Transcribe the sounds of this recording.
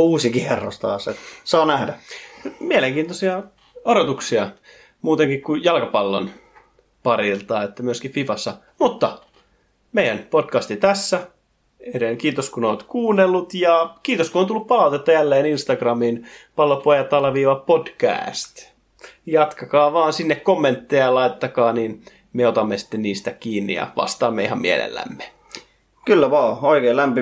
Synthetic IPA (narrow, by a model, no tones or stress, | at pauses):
uːsikiherːo̰st̪ɑ̰ːsḛt̪sɑːnæhdæmieleŋkiːnt̪osiɑ | oɾot̪uksiɑ | muːt̪eŋkikkujɑlkɑpɑlːo̰n | pɑɾilt̪ɑːet̪ːæmyøskififɑsːɑ | mut̪ːɑ | meijænpodkɑst̪it̪æsːæ | enekiːt̪oskunoːt̪kuːnːelːut̪jɑkiːt̪oskunoːnt̪ulːuppɑlɑˑut̪et̪ːɑjælːeːninst̪ɑɡrɑminpɑlːopoːjɑt̪ɑlʋiːʋɑpod̥kæ̰ːst̪ | jɑt̪kɑkɑːʋɑːnsinːekkomːent̪ːejɑjɑlɑit̪et̪ːɑkɑːniːn | meot̪ɑmːesi̥t̪ːenniːst̪ækiːnːḭjɑ̰ʋɑ̰st̪ɑːmːeihɑmmiḛlḛlːæ̰mːe̥ | kylːæʋɑːoikeːlæmpi